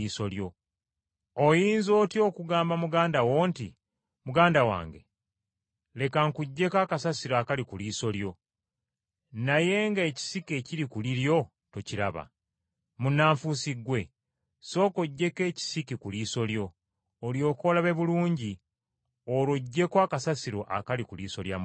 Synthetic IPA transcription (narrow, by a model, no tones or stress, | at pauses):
iːso̞ljo̞ | ojiːnzo̞ːtio̞ːkuɡaːmbamuɡaːndawo̞ːntḭ | muɡaːndawa̰ːŋɡe̞ | le̞kaŋkuɟːe̞kakasasiɾaːkalikuliːso̞ljo̞ | naje̞ŋɡaeci̥sike̞ciɾikuliɾjo̞ | to̞ciɾa̰βa̰ | munːaːɱfusiɡwe̞ | so̞ːko̞ɟːe̞ke̞ːci̥sikikuliːso̞ljo̞ː | ljo̞ːko̞laβe̞βuluːɲɟi | olwoɟːe̞koakasasiɾo̞ʔa̰kalikulḭːso̞lja̰m